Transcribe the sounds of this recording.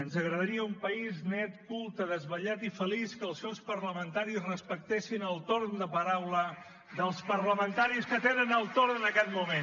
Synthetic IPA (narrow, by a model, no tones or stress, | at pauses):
ənzəɣɾəðəɾiəumpəiznɛt̪kulˠt̪əðəzβəʎat̪ifəliskəlˠsɛwspəɾləmənt̪aɾizrəspək̚t̪esinəlˠt̪oɾnd̪əpəɾawlə | ðəlˠspəɾləmənt̪aɾiskət̪enənəlˠt̪oɾnənəkɛt̪mumen